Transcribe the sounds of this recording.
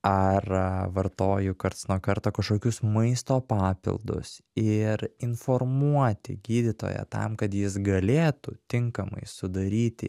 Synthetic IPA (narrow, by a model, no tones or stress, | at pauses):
ɐrʋɐɾt̪oːjʊkɐɾt̪ɐsnuɔkɐɾt̪oːkɐʃkoːkʲʊsmɐɪst̪oːpɑːpʲɪ̰lˠd̪ʊ̰sɪɾɪnfoːrmuɔt̪ʲɪ̰ɡʲiːd̪ʲɪt̪o̰ːjɛ̰t̪ɐ̰mkɐt̪jɪs̬ɡɐlʲeːt̪uːt̪ʲɪŋkɐmɐ̰ɪsʊd̪ɐɾʲiːt̪ʲɪ̰